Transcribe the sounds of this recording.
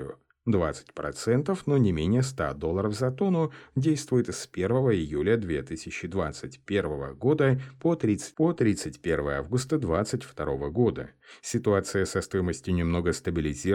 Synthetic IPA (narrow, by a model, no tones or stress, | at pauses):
ʊ | d̪vat̪sɨ̥tʲpɾɐ̰t̪sɛnt̪əfnonʲɪmʲenʲɪjəst̪a̰d̪o̞lˠːəɾəfzɐt̪o̞nʊdʲejst̪vʊjɪt̪ɨspʲe̞rvəvəɪjulʲəd̪vʲe̞t̪ɨsʲɪt͡ɕːɪd̪va̰t̪sɨtʲpʲe̞rvəvəɡo̞d̪əpot̪ɾʲit̪sɨ̥pot̪ɾʲit̪sɨtʲpʲe̞rvəjəavɡʊst̪əd̪vat̪sɨtʲft̪ɐɾo̞vəɡo̞d̪ə̰sʲɪt̪ʊat̪sɨjəsɐst̪o̞jɪməsʲtʲɪnʲɪmno̞ɡəst̪əbʲɪlʲɪzʲi